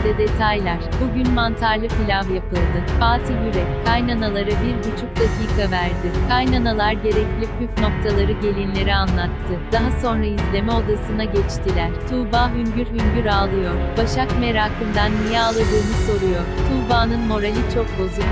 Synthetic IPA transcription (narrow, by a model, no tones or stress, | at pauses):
d̪ɛd̪e̞t̪ʰajlʲˠæɾ̥buɟynmant̪ʰaɾlʲˠɯfilʲavjapɯlˠd̪ɯbaːt̪ʰijyɾɛkʰajnanalˠaɾɯbiɾbut͡ʃʰuk̚d̪̥aciːkʰavæɾd̪ɪkʰajnanalˠaɾɟe̞ɾɛclʲikyfno̞k̚t̪ʰalˠaɾɯɟe̞lʲinlʲe̞ɾianlˠat̪ʰːɯd̪̥aɦaso̞nɾaizlʲe̞mɛo̞d̪asɯnd̪aɟɛt͡ʃt̪ʰilʲæɾ̥t̪ʰuːbaːɦynɟyɾhynɟyɾaːlˠɯjo̞ɾ̥baʃakme̞ɾaːkʰɯnd̪anmijɛalˠad̪ɯːnɯso̞ɾujo̞ɾ̥t̪ʰuːbaːnɯnmo̞ɾalʲit͡ʃʰo̞k̚bo̞zuk